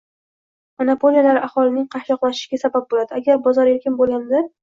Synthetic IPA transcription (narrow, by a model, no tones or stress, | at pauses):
manapʰolijalaɾahɒlɪnɪŋqʰɑhʃɒqlˠaɪ̥ʃɪɡʲasabap̚bolad̪ɪaɡʲaɾbɒzɒɾeɾkʲɪnbolˠɡʲanla